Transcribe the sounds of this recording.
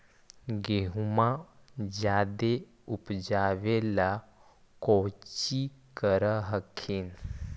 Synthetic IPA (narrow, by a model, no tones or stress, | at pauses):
ɡeɦmad͡ʑad̪e | upd͡ʑaʋela | kɔwt͡ɕikəɾəɦəkʰiːn